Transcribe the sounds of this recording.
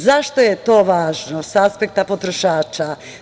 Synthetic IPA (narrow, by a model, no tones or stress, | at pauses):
zaʃt̪ojet̪o̞ːʋaːʒnosaspek̚t̪apot̪ɾoʃaːt͡ʃa